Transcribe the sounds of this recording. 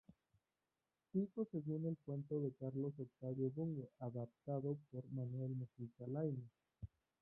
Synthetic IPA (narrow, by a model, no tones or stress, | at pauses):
tikoseɣunelpwe̞nt̪o̞ðe̞kaɾlo̞sok̚t̪aɾjoβuŋɡeʔaðap̚t̪aðo̞poɾmanwe̞lmusisalajne